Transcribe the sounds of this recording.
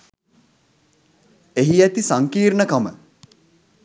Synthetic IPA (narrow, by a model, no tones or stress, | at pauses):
eɦiæt̪isaŋkiːɾnəkamə̰